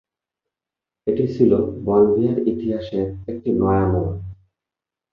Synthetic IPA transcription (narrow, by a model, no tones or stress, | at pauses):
eʈit͡ɕʰilobɔld̪iaɾit̪iɦaʃeɾek̚ʈinɔeamon